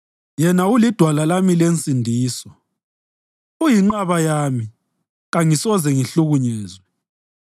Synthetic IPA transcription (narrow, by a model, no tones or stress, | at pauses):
jɛnaulid̥ʱwalalamilent͡sʼindʱiːsɔ | ujiŋ͡ǃaβajami | ɣaŋisɔzɛŋiɬuɣuɲɛːzwɛ